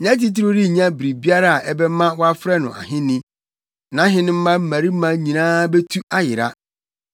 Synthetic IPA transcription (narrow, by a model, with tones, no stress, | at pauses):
ɲã˦t̬i˦t̬ɪ˦ɾʊ˦ɾi˦˨ɲã˦bɾi˨bi˦a˦ɾa˦a˨ʔɛ˦bɛ˦mã˦wa˦fɾɛ˦nʊ̰̃˨a̰˨ɦɪ̃˦nĩ˦ | nã˨˦ɦɪ̃˦nɪ̃˦m̩˦mã˦m̩˦mæ̃˨ɾi˦m˦mã˦ɲĩ˨nãː˦bɛ˦tʰu˦a˦jɪ˨ɾa̰˦